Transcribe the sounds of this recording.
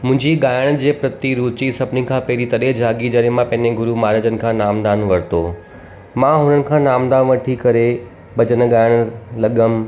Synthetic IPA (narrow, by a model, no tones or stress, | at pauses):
mʊ̃ɦɪ̃ɲd͡ʑiɠaːjɽ̃d͡ʑeːpɾɐt̪iɾuːt̪isɐbnikʰãːpɐɦɪɾit̪ɐɗed͡ʑʱaːɡid͡ʑɐɾemãpɐ̃ɦɪ̃ɲeɡʊɾumaːɾəd͡ʑənɪ̆kʰãːnaːmd̪aːnʋɐɾt̪oː | mãɦʊnənɪ̆kʰãːnaːmd̪aːnʋɐʈʰikɐɾe | bɐt͡ɕənə̆ɡaːɪɽ̃lɐɠəm